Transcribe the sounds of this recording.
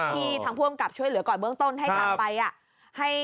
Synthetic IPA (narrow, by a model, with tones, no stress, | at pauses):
iː˧˩t̪ʰaː˧˦ŋpʰu˧əmka˨˩p̚t͡ɕʰu˥˩əjlɯ˨˩˦əkɔː˨˩nbɯ˥˩əŋt̪o˧˥˩nɦa˥˩a˨˧˩pa˧jʔa˨˩ʔ | ha˥˩j